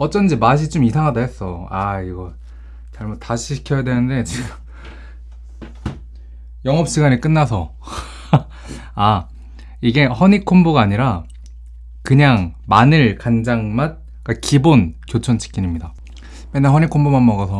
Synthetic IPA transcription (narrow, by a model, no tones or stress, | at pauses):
ʌt͡ɕ͈ʌnɯd͡ʑimaɕ̬ʰit͡ɕomisʰaŋɦadaɦe̞s͈ʌaiɡʌ | t͡ɕaɭmut̚aɕʰiɕʰi̥kʰʌjadwe̞nɯnde̞t͡ɕiɡ | jʌŋʌp̚ɕ͈iɡaɲik͈ɯnːasʰʌ | a | iɡe̞hʌɲikʰomboɡaːɲiɾa | kɯɲaŋmanɯɭkand͡ʑaŋmat̚ | k͈akibonkjot͡ɕʰʌnt͡ɕʰi̥k͈iɲimɲida | menːehʌɲikʰombomanmʌɡʌsʰʌ